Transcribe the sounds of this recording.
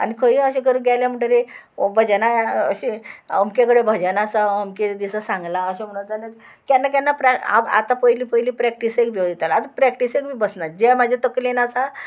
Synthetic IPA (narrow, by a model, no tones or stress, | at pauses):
a̰nikʰəiəɕekəɾuɡajljam̤əɳʈəɾe | obʱəd͡ʑanaəɕeəmkekəɽebʱəd͡ʑanasaəmked̪isasãŋɡlaəɕem̤əɽũt̪ale | kjanːak̬janːapɾaa̰a̰t̪ãpəjliːpəjliːpɾɛk̚ʈisekbʱioet̪alat̪apɾɛkʈisekbʱibəsnad͡ʑemad͡ʑʱet̪əklenasa